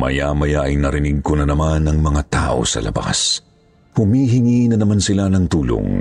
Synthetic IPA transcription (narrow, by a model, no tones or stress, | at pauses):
mɐ̰jamɐjaʔɐjnɐɾɪniɡ̚kʊnɐnɐmanɐŋmɐŋat̪a̰ːʔo̞̰sɐ̰lɐ̰ba̰s | hʊmiːɦɪŋinɐnɐmansɪlanɐŋt̪uːlo̰ŋ